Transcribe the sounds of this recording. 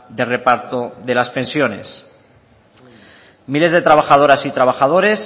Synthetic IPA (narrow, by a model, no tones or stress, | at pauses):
d̪e̞re̞paɾt̪oðe̞laspe̞nsjo̞ne̞̰s | mile̞zðe̞t̪ɾaβaxað̞oɾasit̪ɾaβ̞axað̞o̞ɾe̞s